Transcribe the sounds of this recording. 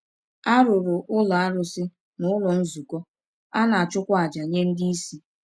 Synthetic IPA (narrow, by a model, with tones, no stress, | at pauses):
a˦ɾʊ˨ɾʊ˨ʔʊ˦la˨a˦ɾʊ˦sɪ˦ | nʊ˦ʊ˦lɔ˨n̩˦zu˨kɔ˦ | a˦na˨a˨t͡ʃʊ˦kʷa˦a˨d͡ʒa˨ɲe˦n̩˦di˦i˦si˦